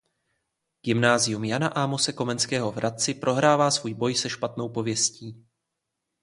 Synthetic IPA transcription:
ɡ̥ɪmnaːzɪjumjanaʔamosɛko̞mɛnskɛːɦo̞vɾʔat̪̚t͡sɪpɾʔo̞ɦɾaːvaːsvuːjbo̞jsɛʃpat̪no̞wpo̞vjɛsciː

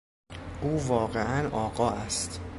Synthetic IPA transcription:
ʔuːvɒːɢeʔænʔɒːɢɒːʔæst̪

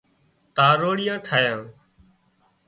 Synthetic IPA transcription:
t̪ãːɾoːɽɪjãːʈʰaːjãː

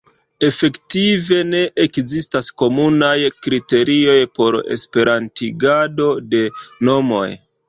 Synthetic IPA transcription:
e̞fe̞ktive̞ne̞ʔekzistasko̞munajkɾite̞ɾio̞jpo̞ɾe̞̰spe̞ɾantiɡado̞de̞no̞mo̞̰j

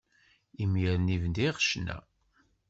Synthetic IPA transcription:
imjəɾnivənd̪iʁʃnæ̰

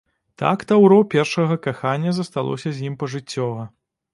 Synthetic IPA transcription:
t̪a̰kt̪awɾɔpʲɛrʂɐɣɐkaxanʲːɐzɐst̪alˠʔɔ̰sʲɐzʲjimpɐʐɨt͡sʲːɔvɐ

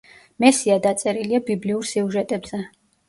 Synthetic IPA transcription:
mɛsiad̪at̪sʼɛɾiliabibliuɾsiuʒɛt̪ʼɛbz̥ɛ

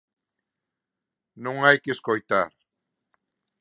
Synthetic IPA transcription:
nuŋajkiskojt̪aɾ

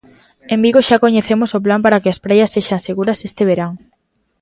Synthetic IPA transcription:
embiɣoʃakoɲeθemosop̬lampaɾakɪɐspɾajɐsːeʃaŋseɣuɾɐsest̪eβeɾaŋ

